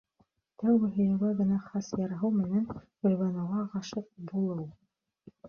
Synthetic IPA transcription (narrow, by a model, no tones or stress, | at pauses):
t̪æwɡɘ̆ɦɵ̆jɘ̆wɡæɡɘ̆næχɑsjɑɾɑɦɤwmɘ̆nænkɵ̆lʲβɑnɑwɑʁɑʃɤq̚bulˠɤw